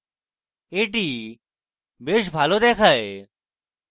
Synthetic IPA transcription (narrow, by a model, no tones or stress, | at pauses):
eːʈiː | beːʃbʱaːloːd̪eːkʰaːeː